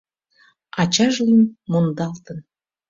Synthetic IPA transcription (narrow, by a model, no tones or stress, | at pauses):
ɑt͡ɕɑʒlimːond̪ɑlt̪ən